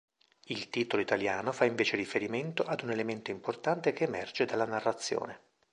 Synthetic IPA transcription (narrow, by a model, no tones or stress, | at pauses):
ilt̪iːt̪oloit̪aljaːnofaiɱveːt͡ʃerifeɾiment̪oʔad̪unelement̪oimport̪ant̪ekeːmɛrd͡ʒed̪alːanarːat̪sːjo̰ːne